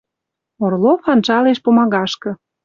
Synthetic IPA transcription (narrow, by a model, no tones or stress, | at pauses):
orlofɑnt͡ʃɑleʃpomɑɣɑʃkɤ̆